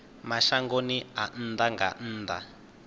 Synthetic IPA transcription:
maʃaŋɡonian̩ːnd̪aŋɡa̰n̩ːnd̪a̰

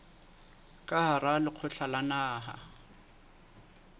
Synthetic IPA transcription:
kʼaharalɪq͡χʰʊɬʰalanaːɦa̰

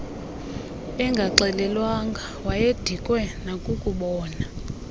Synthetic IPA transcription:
ɛŋɡʱaǃɛlɛlwaŋɡʱa | wajed̥ʱikʼwɛnakʼukʼuɓɔːna

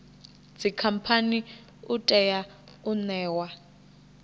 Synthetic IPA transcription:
d͡zikʰam̩pʰani | utʼɛja | unɛːwa

